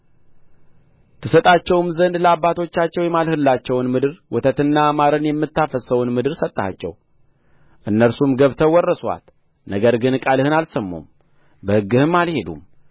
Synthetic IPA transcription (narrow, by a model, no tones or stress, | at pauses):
t̪ʰɨsət̪ʼat͡ʃːɛwmzənd̪ləabːat̪ʰo̞t͡ʃːat͡ʃːɛwjɛmalhɨlːat͡ʃːɛwnmɨd̪ɨɾwɔt̪ʰət̪ɨnːaːmaɾənjɛmːɨt̪ːafəsəwnmɨd̪ɨɾsət̪ʼːa̰t͡ʃːɛ̰w | ʔɨnːəɾsumɡəβt̪ʰəwɔrːəswa̰l | nəɡəɾɡɨnkʼalhɨnalsəmːṵm | bəhɨɡːɨhɨmːalhe̞d̪ṵm